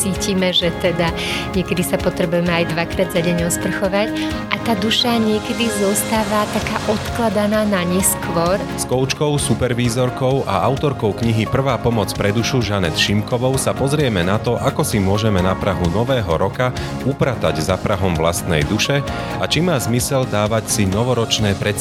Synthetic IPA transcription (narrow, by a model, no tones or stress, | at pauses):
t͡siːcimɛʒɛt̪ɛd̪a | ɲɪɛkɛd̪isapɔt̪ɾɛbujɛmɛajd̪ʋakɾaːd̪zaɟɛɲɔspr̩xɔʋac | ʔat̪aːd̪uʃaɲɪɛkɛd̪izɔst̪aːʋat̪akaːʔɔt̪klad̪anaːnaɲɛskʋɔɾ | skɔʊt͡ʃkɔʊsupɛɾʋiːzɔɾkɔʊʔa̰ʔaʊt̪ɔɾkɔʊkɲiɦipr̩ʋaːpɔmɔt͡spɾɛd̪uʃuʒanɛt̪ʃimkɔʋɔʊsapɔzɾɪɛmɛnat̪ɔʔakɔsimʊɔʒɛmɛnapɾaɦunɔʋɛːɦɔɾɔka | upɾat̪aɟzapɾaɦɔmʋla̰st̪nɛ̰jd̪uʃɛ | at͡ʃimaːzmisɛld̪aːʋacsinɔʋɔɾɔt͡ʃnɛːpɾɛ